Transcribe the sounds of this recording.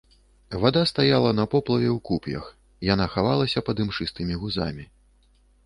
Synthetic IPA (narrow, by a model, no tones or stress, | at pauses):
vad̪ast̪ajalˠɐnɐpɔplˠɐvʲɛwkupjɐ̰x | janaxavalˠɐsʲɐpɐd̪ɨmʂɨst̪ɨmʲiɣuza̰mʲi